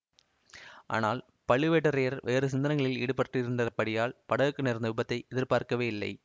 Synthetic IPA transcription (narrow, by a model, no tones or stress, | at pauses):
ʔa̰ːnaːl | pɐɭɯʋeːʈːɐɾeːɐɾʋʔeːɾɯs̬ɪnd̪ɐnɐŋɡɐɭɪlḭːɽɯpɐʈrɪɾɯnd̪ɐpɐɽɪjaːlpɐɽɐɣɯkːɯnɛɾnd̪ɐʋɪbɐt̪ːɐɪʔɛðɪɾpaːɾkɐʋeːɪlːɐ̰ɪ